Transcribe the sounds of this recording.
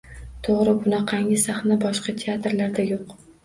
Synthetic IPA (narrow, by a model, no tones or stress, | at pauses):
t̪ʰoʁɾɪbʊnaqʰɑŋʲɪsaχnabɒʃqɑt̪ʰeat̪ɾlaɾd̪ajoq